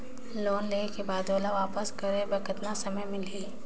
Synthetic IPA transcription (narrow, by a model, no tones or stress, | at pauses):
loːnleːnekebaːd̪oːlaʋaːpəskɐɾebɐkət̪nasɐməjmɪliː